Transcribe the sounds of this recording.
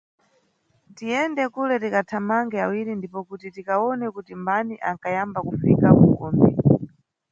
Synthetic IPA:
tiɛndɛkulɛtikatʰamaŋɡɛawilindipɔkutitikaɔnɛkutimbaniʔaŋkajambakufikakuɡɔːmbḭ

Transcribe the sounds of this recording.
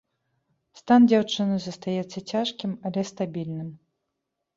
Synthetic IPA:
st̪and͡zʲawt͡ʂɨnɨzɐst̪ajɛt̪sːɐt͡sʲaʂkʲimɐlʲɛst̪abʲilʲnɨm

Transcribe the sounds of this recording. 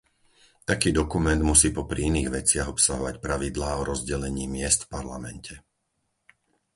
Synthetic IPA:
t̪akiːd̪ɔkumɛnd̪musiːpɔpɾḭiniːɣʋɛt͡sɪaɣɔpsaɦɔʋacpɾaʋid̪laːɔɾɔzɟɛlɛɲiːmɪɛst̪fpaɾlamɛncʰɛ

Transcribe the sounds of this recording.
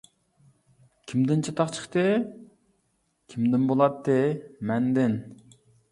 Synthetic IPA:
kʲʰimd̪ɪnt͡ʃʰɑt̪ʰɑqt͡ʃʰə̥χt̪ɨ | kʲʰimd̪ɪnbolˠɑt̪ːɨmɛnd̪ɪn

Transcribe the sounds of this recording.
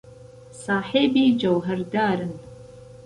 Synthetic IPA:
saːħeːbiːd͡ʒɐwɦɐɾd̪aːɾɨn

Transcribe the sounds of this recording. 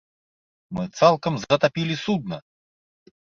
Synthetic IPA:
mɨt̪salˠkəmzət̪apʲilʲɪsud̪̚nə

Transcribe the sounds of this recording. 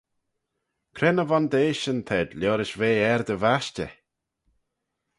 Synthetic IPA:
kʰɾɛnəvand̪eːʃənt̪ʰɛd̪lʲoːɾɪʃveːɛɾd̪əvaʃtə̰

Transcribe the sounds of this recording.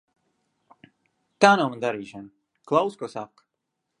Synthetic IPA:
t̪aːnamand̪aɾiːʃan | klˠawskuɔsak

